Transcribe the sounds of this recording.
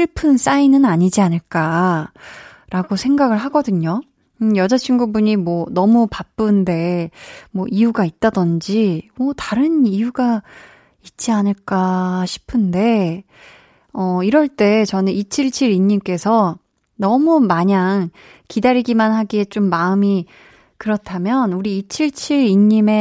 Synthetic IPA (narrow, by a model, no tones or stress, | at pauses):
ɕʰiɭpʰɯns͈ainɯnaɲid͡ʑianɯɭk͈a | ɾʔaɡosʰe̞ŋɡaɡɯɭɦaɡʌdɯɲo | jʌd͡ʑat͡ɕʰiŋɡubuɲimwʌnʌmupap͈ɯnde̞mwʌʔijuɡait̚t͈adʌnd͡ʑimwʌtaɾɯnijuɡa | it̚t͡ɕ͈ianɯɭk͈aɕʰi̥pʰɯnde̞ | ʌiɾʌɭt͈e̞t͡ɕʌnɯnit͡ɕʰiɭt͡ɕʰiɾiɲːimk͈e̞sʰʌ | nʌmumaɲaŋ | kidaɾiɡimanɦaɡie̞t͡ɕ͈omːaɯmi | kɯɾʌtʰamjʌnuɾiːt͡ɕʰiɭt͡ɕʰiɾiɲːime̞